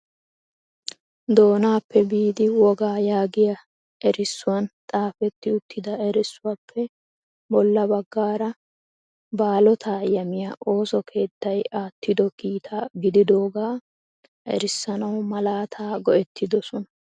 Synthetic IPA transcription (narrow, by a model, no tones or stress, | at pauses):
d̪o̞ːnaːpːɛbiːd̪ɪwɔɡaːjaːɡɪjɐ | ɛɾɪsːʊwɐnt̪ʼaːfɛt̪ːɪʊt̪ːɪd̪ɐɛɾɪsːʊwɐpʰːɛ | bɔlːɐbɐɡːaːɾɐ | baːlɔt̪ʰaːjɐmɪjɐʔo̞ːsɔkʰe̞ːt̪ːɐjaːt̪ːɪd̪ɔkiːt̪ʰaːɡɪd̪ɪd̪o̞ːɡaː | ʔɛ̰ɾɪsːɐnɐwmɐlaːt̪ʰaːɡɔʔɛt̪ːɪd̪ɔsɔnɐ̥